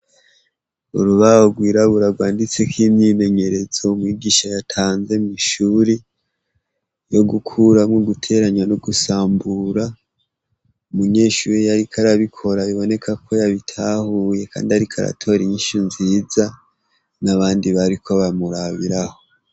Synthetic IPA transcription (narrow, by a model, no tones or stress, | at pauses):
ṵɾuβahoɡwiːɾaβuɾaɡwaːndit͡se̞kʰiːmɲine̞ɲe̞ɾe̞z̥oumŋiːɡiːʃajatʰaːnze̞miʃuːɾe | jo̞ɡukʰuɾamŋoɡutʰe̞ɾaɲwanoɡusaːmbuɾa | umuɲe̞ːʃuːɾejaɾikʰaɾaβikʰo̞ɾaiβo̞ne̞kʰakʰo̞jaβitʰaːhuje̞kʰa̰ːndiaɾikʰaɾa̰tʰo̞ɾiɲiʃinziːza | naβaːndiβaɾikʰo̞βamuɾaβiɾaho̞